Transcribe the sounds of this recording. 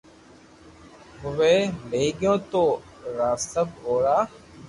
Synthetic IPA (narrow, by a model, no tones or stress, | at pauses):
ɦʊʋeːleːɠɪjõːt̪oː | ɾaːst̪əboːɽaː